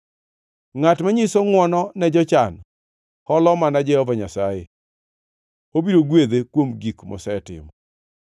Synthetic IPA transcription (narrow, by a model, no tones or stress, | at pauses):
ŋatmaɲisoŋwɔnɔnɛd͡ʒɔt͡ʃan | hɔlɔmanad͡ʒɛhɔvaɲasajḛ | obiɾoɡwed̪ekwomɡikmɔ̰sɛtɪ̰mɔ